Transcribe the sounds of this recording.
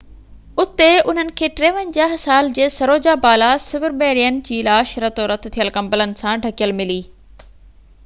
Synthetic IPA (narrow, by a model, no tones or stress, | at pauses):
ʊt̪eʊn̤ənɪ̆kʰeːʈɾeːʋənd͡ʑaːɦsaːld͡ʑeːsɐɾoːd͡ʑabaːlasɪʋɪɾɓeːɾijənɪd͡ʑiːlaːʃɾət̪oɾɐt̪ʰt̪ʰijəlkɐ̃mbələnɪ̆sãɖʱɐkijəlmɪliː